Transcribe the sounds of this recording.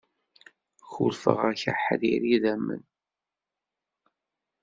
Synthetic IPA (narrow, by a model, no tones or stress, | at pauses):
çulfə̰ʁæça̰ħðiɾiðæmːə̰n